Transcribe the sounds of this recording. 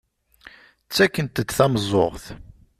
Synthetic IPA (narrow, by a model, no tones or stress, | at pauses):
t͡sːækːənt̪əd̪θɑmzˤo̰ʁθ